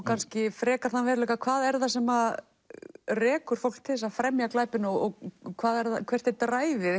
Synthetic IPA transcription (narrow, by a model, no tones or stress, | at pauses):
kʰanscɪfɾɛːkaɾ̥θanvɛːɾlɛːkakʰvaːðɛɾðasɛma | rɛːkʏɾ̥fowl̥kt̪ʰɪðɪsaðfɾɛmjaklaːjpɪnɔɣɔɣkʰvaːðɛɾðakʰv̥ɛr̥t̪ɛt̪ɾaːjvɪ